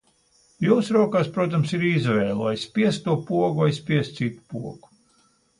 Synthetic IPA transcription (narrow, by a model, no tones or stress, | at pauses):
juːsɾuɔkaːspɾuɔt̪̬amsiɾizvɛːlˠuajspʲiɛst̪t̪ːuɔpuɔɡuajspiɛst̪sit̪u̥puɔɡ̥u̥